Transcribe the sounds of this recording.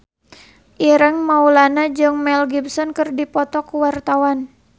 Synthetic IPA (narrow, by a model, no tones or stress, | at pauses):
ʔiɾəŋmaulanad͡ʒɨŋmɛlɡibsɔnkərdipɔt̪ɔkuwart̪awan